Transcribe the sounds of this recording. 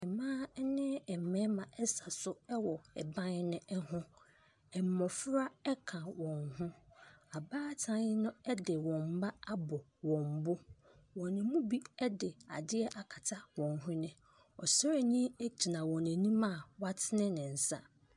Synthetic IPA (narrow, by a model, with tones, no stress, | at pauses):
ɛ˨mã˦nɪ̃˦ɛ˨m˨mɛ̃˦mã˨ʔɛ˦sa˨sʊ˦ɛ˦wɔ˨ɛ˨bã˦n˦nʊ̃˦ʔɛ˦hʊ̃˦ | ɛ˨m̩˨mɔ̃˨fɾa˦ɛ˦kʰã˨wɔ̃˨nhʊ̃˦a˨baː˦tʰã˦nɪ˦nʊ̃˦ɛ˦dɪ˨wɔ̃˨m̩˨˦ba˦a˦bʊ˨wɔ̃˨m˨bʊ˦ | wɔ̃˨nɪ̃˨mũ˦bi˦ɛ˦dɪ˨a̰˨dɪ˦ɛ˦ʔa˨kʰa˨tʰa˦wɔ̃˨nɦʊ̃˦nɪ̃˨ | ɔ˨sɔ˦ɾe˨ɲĩ˦e˦t͡ɕʰi˨nã˨wɔ̃˨næ̃˨nĩ˦mã˦˨wa˦tʰɪ˦nɪ̃˦nɪ̃˨n̩˨sa̰˦